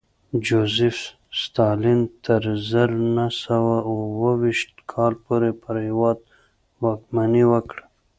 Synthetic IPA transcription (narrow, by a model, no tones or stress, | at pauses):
d͡ʒozɪf | st̪ɑlint̪ʰəɾzəɾnasawawəwiʃt̪̚kʰɑlpoɾepəɾhɪwɑd̪̚ | wɑkmaniwəkɽ